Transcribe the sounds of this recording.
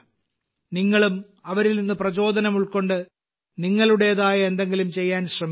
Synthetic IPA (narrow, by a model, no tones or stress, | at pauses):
niŋːɐɭum | ɐʋɐɾilninːɨprɐt͡ɕo̞ːd̪ʱɐnɐmuɭko̞ɳɖɨ | niŋːɐɭuɽe̞jɐðaːjɐend̪e̞ŋɡilumt͡ɕe̞jːaːnɕrɐm